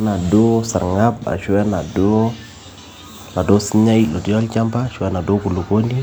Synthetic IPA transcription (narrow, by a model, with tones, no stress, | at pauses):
na˨do˦sa̰˨ɾŋa˦b̚a̰˨ʃu˦ɛ˦na˨do˦ | na˨do˦si˦ɲa˦ilo˨ti˦a˦lt͡ʃa˦mpa˦˨ʃu˦a˦na˨do˦ku˨lu˨ko˦ndi˦